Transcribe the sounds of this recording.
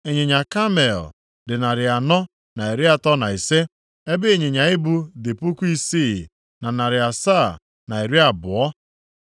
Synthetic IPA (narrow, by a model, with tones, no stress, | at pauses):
e˨ɲɪ˨ɲa˨ka˦me˨l | dɪ˨na˨ɾɪ˨a˨nɔ˦ | na˨i˨ɾɪ˦a˨tɔ˦na˨i˨se˦ | e˦be˦e˦˨ɲɪ˨ɲa˨ɪ˦bu˦dɪ˨pu˦ku˦i˦siː˦˨ | na˨na˨ɾɪ˨a˨sa˦˨ | na˨e˨ɾi˦a˨bʊ̰˨ɔ˦